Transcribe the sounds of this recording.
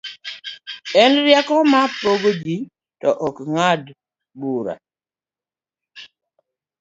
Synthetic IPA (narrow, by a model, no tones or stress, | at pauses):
ɛnɾjakɔmapoɡoɡi | tɔʔokŋad | buɾa̰